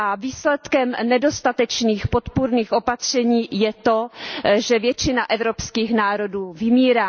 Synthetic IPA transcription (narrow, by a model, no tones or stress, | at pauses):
ʔaviːslɛt̪kɛmnɛdo̞st̪at̪ɛt͡ʃniːxpo̞t̪puɾniːxʔo̞pat̪r̝̥ɛɲiːjɛt̪o̞ʒɛvjɛt͡ʃɪnaʔɛvɾopskiːxnaːɾo̞duːvɪmiːɾaː